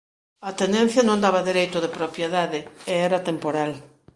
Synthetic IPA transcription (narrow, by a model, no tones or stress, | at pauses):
at̪end̪ẽn̟θjanõnd̪aβaðeɾejt̪ʊðepɾopjeðaðeeɛɾat̪empoɾal